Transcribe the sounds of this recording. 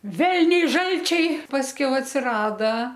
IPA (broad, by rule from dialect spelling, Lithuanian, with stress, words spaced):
ˈʋʲɛlʲnʲɛɪ ˈʒɐlʲt͡ʃʲɛɪ pɐsʲˈkʲɛʊ ɐtʲsʲɪˈrɑːdɐ